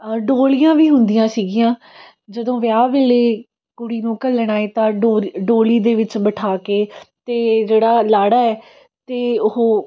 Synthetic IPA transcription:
ɖoːlijãːʋiːɦʊnd̪ijãːsiːɡɪjãː | d͡ʒəd̪õːʋɪjaːʋeːleː | kʊɽiːnũːkəlːɽ̃aːeːt̪ãːɖoɖoːliːd̪eːʋɪt͡ʃbəʈʰaːkeːt̪eːd͡ʒeːɽaːlaːɽaːɛː | t̪eːʊɦoː

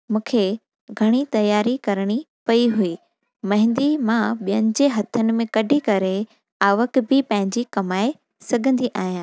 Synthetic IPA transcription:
mũːkʰe | ɡʱɐɽ̃it̪ɐjaːɾikɐɾəɽ̃i | pɐiɦuiː | mɐ̃ɦɪ̃nd̪imãɓijənɪ̆d͡ʑeːɦɐt̪ʰənɪ̆mẽkɐɖʱikɐɾe | aːʋəkbʱɪpɐ̃ɦɪ̃ɲd͡ʑikɐmaːe | sɐɡʱə̃nd̪iʔaːɦjãː

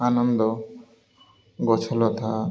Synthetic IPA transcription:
anɔnd̪ɔ | ɡɔt͡ʃʰɔlɔt̪ʰa

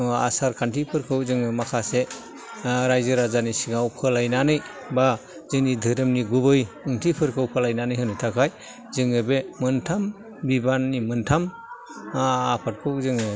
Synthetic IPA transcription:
a̰saɾkʰantʰipʰɯɾkʰɯwzɯŋɯmakʰase | ɾajzɯɾazanisiŋawpʰɯlajnanɯj | ba | zɯŋnidʱɯɾɯmniɡubɯjɯŋtʰipʰɯɾkʰɯwpʰɯlajnanɯjɦɯnɯjtʰakʰaj | zɯŋɯbemɯntʰam | bibanːimɯntʰam | apʰat̚kʰɯwzɯŋɯ

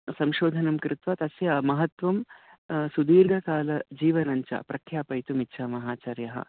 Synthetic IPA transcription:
sɐmʃoːd̪ʱɐnɐmkɾɪt̪ʋɐt̪ɐsjɐmɐɦɐt̪ʋɐm | sud̪iːɾɡʱɐkaːlɐd͡ʒiːʋɐnɐɲt͡ʃɐ̰pɾʔɐkʰjaːpɐjt̪umitːt͡ʃʰaːmɐɦaːt͡ʃɐɾjɐɦɐ̰

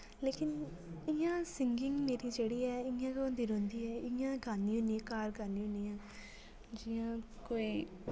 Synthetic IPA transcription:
leːkɪn | ɪãːsɪŋɡɪŋɡmeːɾiːd͡ʒeːɽiːɛːɪãːɡnd̪iːɾõːnd̪iːɛːɪãːɡaːniːɦʊ̃niːãkaːɾɡaːniːʊ̃nijãː | d͡ʒɪjãːkoːiː

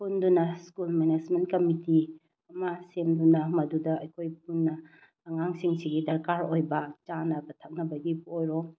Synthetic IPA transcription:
pʰundunɐskulmened͡ʒmentkɐmiti | ɐmɐsemdunɐmɐdudɐɐjkʰojp̚ʰunːɐː | ŋaŋsiŋsiɡidɐɾkaɾojbɐt͡ʃanɐbɐtʰak̚nɐbɐɡibojɾo

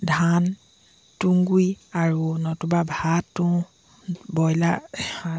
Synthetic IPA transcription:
dʱan | tuŋɡujaɹunɔtubabʱatːũ | bɔjlaa

